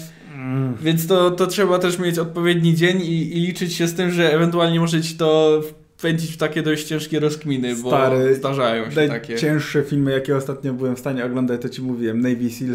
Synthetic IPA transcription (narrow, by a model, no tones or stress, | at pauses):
vʲjɛnt̪st̪ɔt̪ɔtʂɛbat̪ɛʂmʲjet͡ɕɔt̪̚pɔvʲjed̪ɲid͡ʑeɲiːlʲit͡ʂɘt͡ɕɕɛst̪ɘmʐɛːvɛnt̪ualɲɛmɔʐɛt͡ɕi̥t̪ɔf | pɛɲd͡ʑit͡ɕft̪akʲɛd̪ɔɕt͡ɕt͡ɕɛ̃ʂkʲɛɾɔskmʲinɘsbɔt̪aɾɛzd̪aʐajɔ̃w̃ɕɛajt̪akʲɛt͡ɕɛ̃w̃ʂʂɛfʲilmɘjakʲɛɔst̪at̪̚ɲɔbɘwɛmfst̪aɲɛɔɡlɔnd̪at͡ɕt̪ɔt͡ɕimuvʲiwɛmnɛjvʲisil